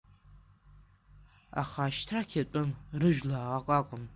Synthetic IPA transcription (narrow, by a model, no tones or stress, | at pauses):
a̰χaːʃtʰrakʲʰatʷʼʊnrɨʒᶣlaːʁaqʼakʷʼʊn